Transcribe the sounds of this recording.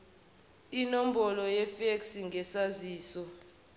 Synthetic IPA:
inom̩bɔlɔjɛfeksiŋʱɛsaziːsɔ

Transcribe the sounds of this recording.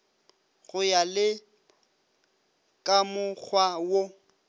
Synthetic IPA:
ɣʊjalɪ | kʼamʊk͡xʰwawo

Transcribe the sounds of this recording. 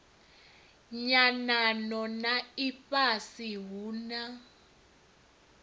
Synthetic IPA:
ɲananɔnaipʼasiɦuːna

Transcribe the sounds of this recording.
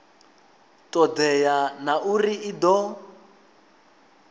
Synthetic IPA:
tʼɔdɛjanauriidɔ

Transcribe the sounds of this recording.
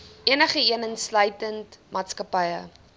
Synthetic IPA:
iənəχəiənənslœjtəntmɑːtskəpɐjə

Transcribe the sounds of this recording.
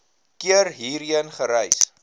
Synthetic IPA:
kiəɾɦiːɾiənχəɾɛjs

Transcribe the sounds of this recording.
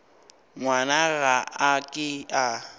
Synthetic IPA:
ŋwanaɣaakʼɪa

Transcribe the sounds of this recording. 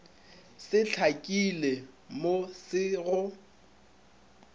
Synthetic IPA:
sɪt͡ɬʰakʼile | mosɪɣʊ

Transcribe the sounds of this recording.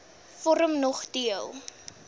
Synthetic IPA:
fɔɾəmnɔχdiəlˠ

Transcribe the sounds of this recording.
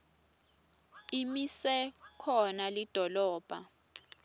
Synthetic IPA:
imisɛkʰɔnalid̥ʱɔlɔːb̥ʱa̰

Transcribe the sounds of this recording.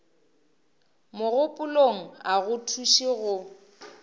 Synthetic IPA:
mʊɣʊpʼʊloŋ̩aɣʊtʰuʃiɣʊ

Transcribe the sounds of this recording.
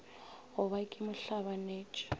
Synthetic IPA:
ɦʊβakʼɪmʊɬaβaneːt͡ʃʼɔ̥

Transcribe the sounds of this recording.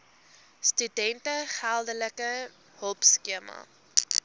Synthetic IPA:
stydɛntəχælˠdələkə | həlˠpskiəmɐ̰

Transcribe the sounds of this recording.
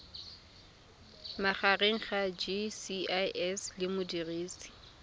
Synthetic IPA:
maχareŋ̩χad͡ʒisiaɛslɪmʊdiriːsi̥

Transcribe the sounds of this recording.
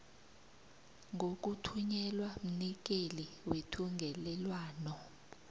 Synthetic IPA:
ŋɡʱok̬ʼutʰuɲɛlwam̩nik̬ʼeliwetʰuŋɡʱɛlɛlwaːnɔ

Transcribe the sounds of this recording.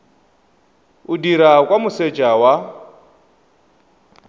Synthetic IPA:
udiɾakʼwamuset͡ʃʼawa

